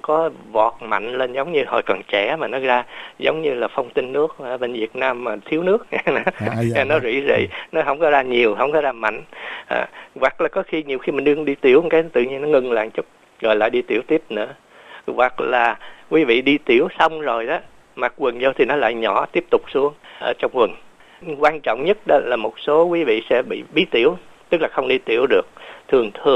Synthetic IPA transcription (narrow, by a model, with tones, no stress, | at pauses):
kɔ˨˦vɔ˨˩t̚ma̰˧˨jŋ̟le˧nzə˨˦wŋ͡mɲɨ˧hɔ̰˧˩jkɔ˨˩nt͡ɕɛ̰˧˩˦maː˨˩nɔ˨˦zaː˧zə˨˦wŋ͡mɲɨ˧laː˨˩fɔ˧wŋ͡mt̪ï˧ŋːɨ˦˥ək̚aː˧˩və˧nvi˨˩ət̚naː˧mːaː˨˩t̪ʰi˨˦əwnɨ˦˥ək̚ːa˨˩nɔ˨˦zwḭ˧˥zḭ˧˨nɔ˨˦ɦə˧˩wŋ͡mkɔ˨˦zaː˧ɲi˨˩əwɦə˧wŋ͡mkɔ˨˦zaː˧ma̰˧˨jŋ̟ʔa̰ː˨˩wa˨˩k̚laː˨˩kɔ˨˦xi˧ɲi˨˩əwxi˧maː˨˩nɗɨ˧əŋɗi˧t̪i˧˩əwkaː˨˦jt̪ɨ̰˧˨ɲi˧ənɔ˨˦ŋɨ˨˩ŋla̰ː˧˨ŋt͡ɕʊ˦˥k͡p̚ | ɣɔ̰˨˩jla̰ː˧˨jɗi˧t̪i˧˩əwt̪i˦˥əp̚nɨ̰˧˥ə | wa˨˩k̚laː˨˩kwi˨˦vḭ˧˨ɗi˧t̪i˧˩əwsa˧wŋ͡mzo˨˩jʔɔ˨˦ | maː˨˩k̚kwɨ˨˩nzo˧t̪ʰi˨˩nɔ˨˦la̰ː˧˨jɲɔ˧˩t̪i˦˥əp̚t̪ʊ˨˩k͡p̚su˧˦əŋʔəː˧˦t͡ɕɔ˧wŋ͡mkwə˨˩n | kwaː˧nt͡ɕɔ̰˧˨wŋ͡mɲə˦˥t̚ɗɔ˨˦laː˨˩mo˨˩t̚so˨˦kwi˨˦vḭ˧˨sɛ̰˧˥ɓḭ˧˨ɓi˨˦t̪i˧˩əwt̪ɨ˦˥k̚laː˨˩xə˧wŋ͡mɗi˧t̪i˧˩əwɗɨ˨˩ək̚t̪ʰɨ˨˩əŋt̪ʰɨ˨˩ə